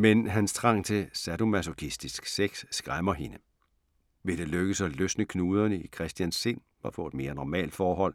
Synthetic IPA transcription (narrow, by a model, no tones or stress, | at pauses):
menɦænst͡sʰʁɑ̈ŋ̰t͡sʰe̝sædo̝mæsokʰisd̥isɡ̥seɡ̥sːɡ̥ʁamɐɦe̝nə | ʋe̝d̥e̝løɡ̥əsɒløsnəkʰnuːð̞ˠɐnəikʰʁɛsd̥jænsːe̝n̰ | ʋɑ̈fɔ̽e̝d̥me̝ːɐnɒmɛ̰ːld̥fɒːɦɒ̽l̰